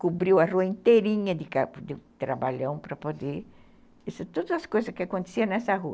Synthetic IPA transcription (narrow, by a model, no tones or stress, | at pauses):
kubɾiwɐruɐĩnt̪eɾĩɲɐd̪ɪkad̪ɪt̪ɾabaʎɐ̃w̃pɾɐpod̪e | esɐt̪od̪ɐzɐskojzɐskɪakõnt̪e̥siɐnɛsɐɦuɐ